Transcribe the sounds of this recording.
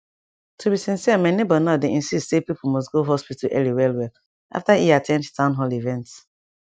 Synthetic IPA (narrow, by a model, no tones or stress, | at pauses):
tʰubisĩnsimãnebɔnadeĩnsistsepipʰomɔstɡoɦɔspitaʔɛ̰liwɛlwɛl | ʔa̰ftaiatʰɛ̃ndtʰãʊ̃nɦɔlivɛ̃nts